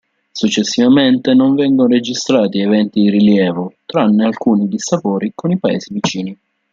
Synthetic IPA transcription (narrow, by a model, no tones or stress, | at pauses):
sut͡ʃːesːivament̪enoɱvɛŋɡonoɾed͡ʒist̪ɾaːt̪ievɛnt̪id̪iɾiljɛːvʊt̪ɾanːealkuːnid̪isapoːɾikonipaḛːsivit͡ʃiːni